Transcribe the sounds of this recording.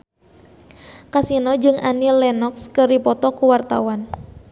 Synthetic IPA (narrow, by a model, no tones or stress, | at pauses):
kasinɔd͡ʒɨŋanilɛnɔkskəripɔt̪ɔkuwart̪a̰wan